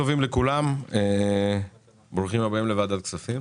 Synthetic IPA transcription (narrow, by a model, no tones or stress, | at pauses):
ovimlekulame | bʁuχimabaimle̞vad̪alksafim